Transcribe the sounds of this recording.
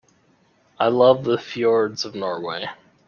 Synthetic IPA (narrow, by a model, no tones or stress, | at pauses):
aɪlʌvðəfjɔɹdz̥ʌvnɔɹweɪ